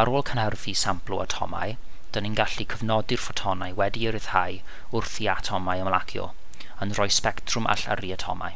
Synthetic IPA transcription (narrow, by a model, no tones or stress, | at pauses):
aɾoːlˠkʰənhərvisamplˠua̰tʰɔ̰ma̰j | d̥əninɡaɬikʰəvnɔdɪrfɔtʰɔnajwɛdiəɾɪð̥haj | ʊrθiatʰɔmajəmlˠakʰjɔ̰ | ənrɔjspɛktʰrʊmʔa̰ɬa̰riatʰɔ̰ma̰j